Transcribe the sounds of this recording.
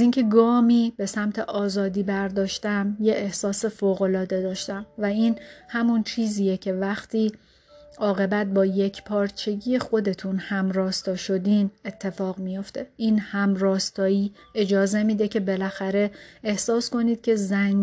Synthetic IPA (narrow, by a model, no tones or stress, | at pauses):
ziːŋcʰe̞ɡɒːmiːb̥e̞sæmt̪ʰe̞ʔɒːzɒːd̪iːbæɾd̪ɒːʃt̪æmjeʔːhsɒːse̞foːɣo̞lɒːd̪e̞d̪ɒːʃt̪æmvæiːnhæmunt͡ʃʰiːziːjecʰe̞væxt̪ʰiː | ʔɒːɣe̞bæt̪̚bɒːje̞cʰpʰɒːɾt͡ʃʰe̞ɡije̞xo̞d̪e̞t̪ʰunhæmɾɒːst̪ɒːʃo̞d̪iːne̞t̪ʰːe̞fɒːɣmijo̞ft̪ʰe̞ʔiːnhæmɾɒːst̪ɒːiː | e̞d͡ʒɒːze̞miːd̪ecʰe̞be̞læxæɾe̞ehsɒːsko̞niːd̪̥̚cʲʰe̞zæŋ